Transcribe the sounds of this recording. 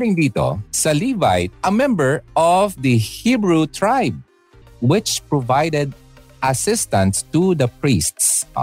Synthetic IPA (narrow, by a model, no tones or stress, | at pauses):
ɪ̃ŋd̪iːt̪o̰sɐlivajt̪̚ɐmɛ̃mbəɹʔɔvd̪ɨhibɹut̪ʰɹajb̚ | wɪt͡ʃpɹɔvajd̪ɛd̪̚ | ʔɐsɪst̪ɐ̃nt̪st̪ud̪ɐpɹist̪s